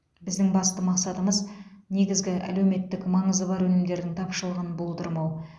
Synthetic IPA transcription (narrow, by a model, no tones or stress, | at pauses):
bɪzd̪ɪŋbɑst̪əmɑqsɑt̪əməzne̞ɡʲɪzɡʲɪʔæ̰lewme̞t̪ːɪkmɑɴəzəbɑɾwɵnɪmd̪e̞ɾd̪ɪŋt̪ʰɑpʃəlˠʁɑnəbolˠt̪ʰəɾmɑw